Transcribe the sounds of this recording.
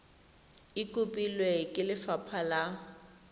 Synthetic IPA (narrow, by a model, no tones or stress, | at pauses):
ikʼʊpʼilwekʼɪlɪfapʰala